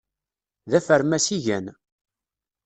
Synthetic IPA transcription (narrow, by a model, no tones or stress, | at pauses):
ðæfəɾmæsiʝæn